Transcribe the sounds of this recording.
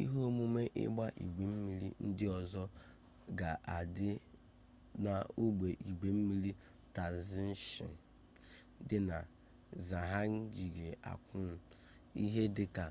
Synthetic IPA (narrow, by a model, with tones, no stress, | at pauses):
ḭ˦ɦo˦mu˦me˦ʔɪ̰˦ɡ͡ba˦ʔḭ˨ɡ͡be˨m̩˦mi˦lḭ˦n̩˦dɪ˦ɔ˨zɔ˦ | ɡa˨ʔa˨dɪ˦ | na˨u˦ɡ͡be˨ʔi˨ɡ͡be˨m̩˦mi˦li˦ | ta˨zɪ˦n̩˦ʃɪ̰˨ | dɪ˦na˨ | za˨ɦa˦ŋ̩˦ɡi˨ɡe˨a̰˨kʷʊ˦˨ | ḭ˦ɦe˦dɪ˦ka˨